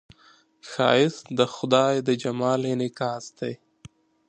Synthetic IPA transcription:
xɑ̰ːɪsd̪əxʊd̪ɑːjd̪əd͡ʒamɑːlenɪkɑːsd̪ej

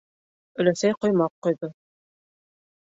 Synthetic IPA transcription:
ɵ̆læsæjqŏjmɑqqːŭjðo

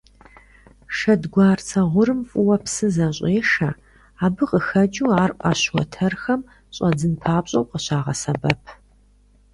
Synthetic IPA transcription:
ʂɐdɡʷaːrt͡sʰɐʁʷʊɾɨmfʼʊwɐpsɨzɐɕʷʼeːʂɐ | aːbɨqəxɐd͡ʒuːaːrʔʼa̰ɕwɔ̰tʰɐrxɐm | ɕʼɐd͡zɨnpʰaːpɕʼɐwqəɕaːʁɐ̰sɐbɐpʰ

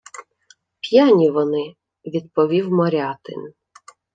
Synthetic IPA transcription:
pʲjanʲiʋɔnɪ | ʋʲid̪pɔʋʲiwmɔɾʲɑt̪ɪ̰n

